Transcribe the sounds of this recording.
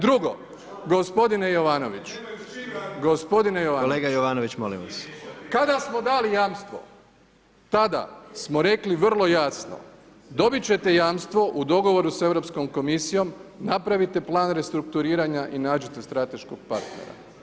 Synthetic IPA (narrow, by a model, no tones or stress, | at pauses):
d̪ɾuɡo̞̰ | ɡo̞spo̞d̪ine̞jo̞ʋaːno̞ʋit͡ɕu̥ | ɡospo̞d̪inejoʋaleːɡajoʋaːnoʋit͡ɕmolḭmʋaskad̪asmo̞d̪aːlijaːmst̪ʋo̞̰ | t̪ad̪a̰smo̞ɾe̞kliʋr̩lˠo̞jasno̰ | d̪o̞bit͡ɕe̞t̪e̞jaːmst̪ʋo̞ʔud̪o̞ɡo̞ʋo̞ɾuse̞ʋɾo̞psko̞mko̞misijo̞mnapɾaʋit̪e̞plˠaːnɾe̞st̪ɾuk̚t̪uɾiːɾaɲaʔinaːd͡ʑit̪est̪ɾat̪e̞ʃkoɡ̚paɾt̪nḛɾa̰